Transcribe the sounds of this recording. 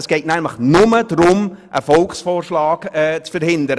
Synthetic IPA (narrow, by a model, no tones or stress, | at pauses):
sɡ̥ɛɪtnæmləχnʊməd̥rʊmʔəfɔlksfoːrʃlɑːɡ̥ɛt͡sfəɾhɪnd̪əɾə